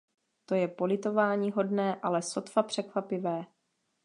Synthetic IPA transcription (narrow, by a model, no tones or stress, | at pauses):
t̪o̞jɛpo̞lɪt̪o̞vaːɲiːɦo̞dnɛːʔalɛso̞t̪fapr̝̥ɛkvapɪvɛː